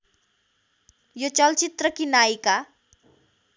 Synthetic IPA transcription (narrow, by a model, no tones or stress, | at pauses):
jot͡ʃʌlt͡ʃit̪rʌkinajka